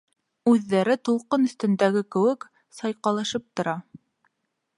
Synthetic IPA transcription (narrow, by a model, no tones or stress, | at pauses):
ʉðːæɾɘt̪ulˠqɤnɵ̆θt̪ɵ̆nd̪æɡɘkɘ̆wɘk | sɑjqɑlˠɑʃɤp̚t̪ŏɾɑ